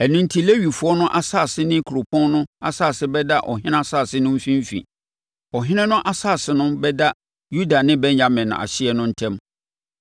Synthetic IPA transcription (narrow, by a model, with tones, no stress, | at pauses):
ɛ˨nʊ̃˦n̩˦tʰi˦le˦ɥi˨fʊ˨˦ɔ˦nʊ̃˦ʔa˦sa˦˨sɪ˦nɪ̃˦kʰu˨ɾʊ˨pʰɔ̃˦nnʊ̃˦a̰˨saː˦˨sɪ˦bɛ˦da˦ʔɔ˨ɦɪ̃˦nã˦a˦saː˦˨sɪ˦nʊ̃˦m̩˦fĩ˦m˦fḭ̃˨ | ɔ˨ɦɪ̃˦nɪ̃˦nʊ̃˦ʔa˦saː˦˨sɪ˨nʊ̃˦bɛ˦da˦ | ju˦da˨nɪ̃˦bɛ˦ɲã˨mɪ̃˨nʊ̰̃˨a̰˨ɕɪ˦ɛ˦nʊ̃˦n̩˦tʰɛ̃˦m